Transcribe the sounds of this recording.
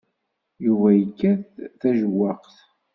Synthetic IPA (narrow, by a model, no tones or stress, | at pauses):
juvæjəkːæðθæʒəwːɑqθ